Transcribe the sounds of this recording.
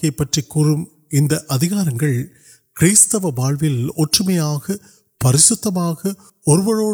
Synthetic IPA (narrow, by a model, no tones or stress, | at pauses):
ɐɪpːɐʈrikːuːrɯm | ɪnd̪ɐʔɐðɪɣaːɾɐŋɡɐɭ | kɪɾiːst̪ɐʋɐbaːɭʋɪlɔʈrɯmɐjaːɣɐ | pɐɾɪsʊt̪ːɐmaːɣɐ | ɔɾɯʋɐɻoː